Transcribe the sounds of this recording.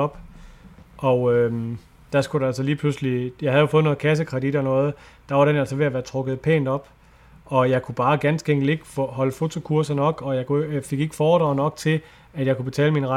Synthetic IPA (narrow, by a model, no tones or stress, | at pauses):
ɒ̽b̥ | ʔɒ̽ʊøm | d̥æsɡ̥uɾeælsɒliːpʰlusəlijɑ̈ɪhæðjo̝fɔ̽ːð̩ˠnɔ̽ːð̩ˠkʰæs̬əkʰʁɛd̥id̥ɒ̽nɔ̽ːð̩ˠ | d̥ɑ̈ʋɑ̈ɾ̥enæl̰sɒʋe̝æʋæːɐt͡sʰʁɔ̽ɡ̥ð̞̩ˠpʰḛːnd̥ɒ̽b̥ | ɒ̽jɑ̈ɪkʰub̥ɑ̈ːɡ̥ænsɡ̥eŋ̰ɡ̥le̝ɡ̥fhɒ̽ləfo̝t͡sʰo̝kʰuɐsɐnɒ̽ɡ̥ɒ̽jɑ̈ɪkʰufe̝ɡ̥e̝ɡ̥əfɒ̥ːʁɑ̈ʊnɒ̽ɡ̥̚t͡sʰe̝l | æd̥jɑ̈ɪkʰub̥e̝t͡sʰɛ̰ːləminʁ